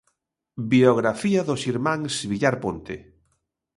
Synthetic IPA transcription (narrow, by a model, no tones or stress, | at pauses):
bioɣɾafiaðosiɾmãŋsβiʎaɾpont̪ḛ